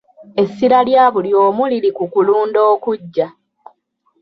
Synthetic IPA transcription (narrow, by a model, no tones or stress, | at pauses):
e̞sːiɾaljaːβuljo̞ːmuliɾikukuluːndo̞ːkuɟːa